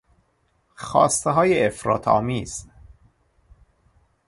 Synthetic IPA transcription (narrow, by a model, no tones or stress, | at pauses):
xɒ̰ːst̪eɦɒːjeefɾɒ̰ːt̪ʰɒ̰ːmiːz̥